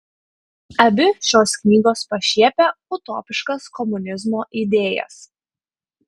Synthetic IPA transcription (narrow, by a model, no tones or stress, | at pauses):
ɐbʲɪʃʲoːsknʲiːɡoːspɐʃʲiɛpʲɛʊt̪oːpʲɪʃkɐskɔmʊnʲɪzmoːʔiːd̪ʲeːjɛ̰s